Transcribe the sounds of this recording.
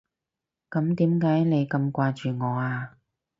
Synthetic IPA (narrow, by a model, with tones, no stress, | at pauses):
kɐ˨˥mt̪iː˨˥mkaː˨˥jne˨˧jkɐ˧mkʷaː˧t͡ʃyː˨ŋɔː˨˧aː˧